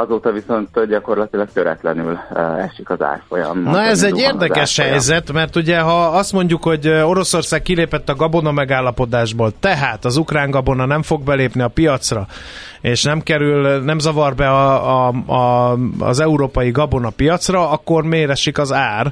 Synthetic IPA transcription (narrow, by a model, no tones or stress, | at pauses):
ɒzoːt̪ɒviso̞nt̪ɟɒko̞rlɒt̪ilɒk̚t̪øɾɛ̰t̪lɛnylɛ̰ʃikɒza̰ːrfojɒ̰mnɒɛzɛɟeːrd̪ɛkɛʃhɛjzɛt̪mɛrt̪uɟɛɦɒɒst̪mo̞ɲɟukho̞ɟo̞ɾo̞so̞rsaːkkːileːpɛt̪ːɒɡɒbo̞nɒmɛɡaːlːɒpo̞d̪aːʒboːlt̪ɛɦaːt̪ɒzukraːŋɡɒbo̞nɒnɛɱfo̞ɡ̚bɛleːpniɒpijɒt̪srɒ | eːʃnɛmkɛɾylnɛmzɒvɒrbɛɒɒ̰zɛuɾoːpɒjiɡɒbo̞nɒpijɒt̪srɒɒkːo̞rmeːɾɛʃikɒzaːr